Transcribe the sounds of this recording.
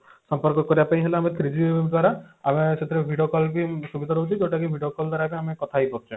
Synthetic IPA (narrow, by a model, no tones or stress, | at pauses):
sɔmpɔɾkɔkɔɾibapaĩɦeleamet̪ʰɾid͡ʒibed̪waɾaameset̪ʰiɾebʱiɖokɔlbisubid̪ʱaɾɔɦut͡ʃʰid͡ʒewʈakibʱiɖiokɔld̪waɾabiamekɔt̪ʰajpɔkt͡ʃʰɔ